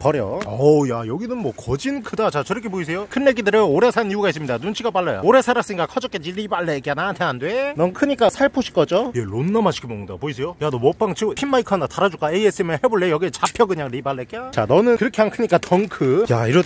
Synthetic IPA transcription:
pʌɾjʌ̰ʌjajʌɡinɯnmwʌkʌd͡ʑinkʰɯdat͡ɕat͡ɕeɾʌkʰe̞pois̬ʰe̞jokʰɯnːeɡidɯɾɯnoɾe̞sʰaniuɡais͈ɯmɲidanunt͡ɕʰiɡapaɭːajo̰oɾe̞sʰaɾaks͈ɯŋɡakʰʌd͡ʑʌk͈ed͡ʑiɾibaɭːek͈anantʰeɦandwenʌnkʰɯɲik͈asʰaɭpʰoɕʰi̥k͈ʌd͡ʑoje̞lonːamaɕʰi̥kʰimoŋndapoisʰejojanʌmʌp͈aŋt͡ɕʰipʰinmaikʰɯandataɾad͡ʑuk͈aeies͈ɯmjenheboɭːejʌɡiet͡ɕapʰjʌkɯɲaŋɾibaɭːek͈eat͡ɕa̰nʌnɯnkɯɾʌkʰe̞ɦankʰɯɲik͈atʰʌŋkʰɯjaiɾʌ

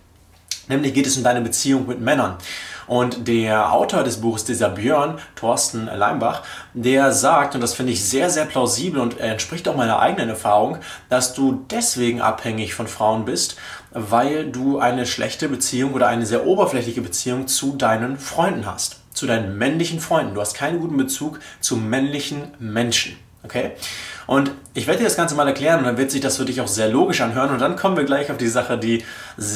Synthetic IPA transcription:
nɛːmlɪçɡ̥eːtɛsʊmdaɪnəbət͡siːʊŋmɪtmɛnɐnʔʊntd̥eːɐʔa̰ʊtoːɐdɛsb̥uːxəsd̥iːzɐbjøɐntʰɔɐstn̩la̰ɪmba̰χ | d̥eːɐzaːk̚tʊntd̥asfɪndəɪçz̥eːɐzeːɐpʰl̥aʊziːbl̩ʊntḛːɐɛntʃpʁ̥ɪçtaʊxmaɪnɐ̰ʔa̰ɪɡənənɛɐfaːʁʊŋ | d̥asd̥uːdɛsv̥eːɡŋ̩ʔa̰phɛŋɪçfɔnfʁ̥aʊənbɪst | vaɪlduːʔaɪnəʃlʔɛ̰çtəbət͡siːʊŋʔoːɾɐʔaɪnəzeːɐʔoːbɐflɛçlɪçəbət͡siːʊŋt͡sudaɪnənfʁ̥ɔʏndn̩ɦa̰st | t͡sudaɪnənmɛnlɪçn̩fʁ̥ɔʏndnduːhast̚kʰaɪnənɡuːtn̩bət͡suːkt͡sumɛnlɪçn̩mɛnʃn̩ | ʔokʰeːʔʊntʔɪçv̥eːdədiːɐ̥asɡ̥ant͡səmaːlɛɐkl̥ɛːʁənʊntd̥anvɪɐtz̥ɪçd̥asfyɐdɪçaʊxz̥eːɐloːɡɪʃʔanɦøːʁənʊnt̚d̥ankʰɔmənviːɐɡlaɪçaʊfd̥iːzaχədiː

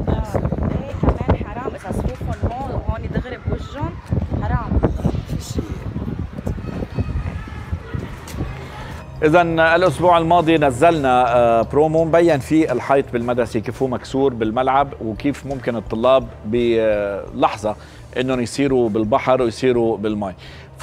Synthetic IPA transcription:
ɑːuːfʊmːhoːnid̪ɪɣɾɪbwɪʒːʊnħɾˤɑːm | ʔɪzanɪlʔʊsbuːʕɪlmɑːd̪ˤinazːalnapɾoːmombajːanfiɪlħɑjt̪ˤbɪlmad̪ɾˤasekiːfhuːmaksuːɾbɪlmalʕabwkiːfmʊmkɪnɨt̪ˤːʊlːɑːbːɪ | lɑħzˤɑ | ʔɪnːonjsˤiːɾubɪlbɑħɾˤwjsˤiːɾubɪlmɑj

